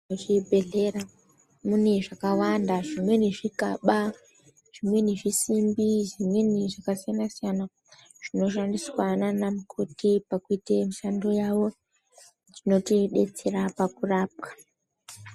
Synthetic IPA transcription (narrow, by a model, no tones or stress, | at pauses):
oʐibʱe̞ɮe̞ɾa | mune̞ʐakawandaʐimwe̞niʐikaɓa | ʐ̥imwe̞niʐisimbiʐimwe̞niʐakasijanasijana | ʐ̥ino̞ʃandiswananamukʰotipakuitemiʃando̞jawo̞ | d͡zino̞tiɗe̞t͡se̞ɾapakuraːp̚kḁ